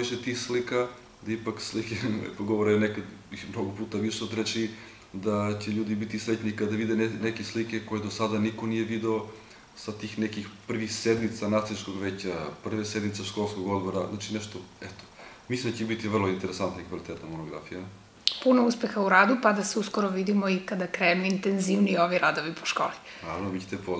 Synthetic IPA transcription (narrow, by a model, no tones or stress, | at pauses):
iʃet̪ixslika | d̪aipakslikepoɡoʋoɾeonekad̪bixmnoɡopuːt̪aʋiʂeod̪ɾet͡ʃi | d̪at͡ɕeʎuːd̪ibit̪islet̪nikad̪aʋid̪eenekeslikeko̞jed̪osad̪aniko̞nijeʋid̪eo | sat̪iːxnekixpr̩ʋixsed̪mit̪sanat̪siskoɡʋeːt͡ɕapr̩ʋesed̪mit̪seʃkolˠskoɡod̪boɾazat͡ʃinɛʃt̪oɛt̪o̥ | mislimd̪at͡ɕebit̪ievr̩lˠoint̪eɾesant̪naikvalit̪et̪namonoɡɾa̰fija | punouspexauɾad̪upad̪aseuskoɾoʋid̪imoikad̪akɾejmoint̪enziʋnioʋiɾad̪oʋipoʃko̰ːlinaːɾavnobit͡ɕet̪epo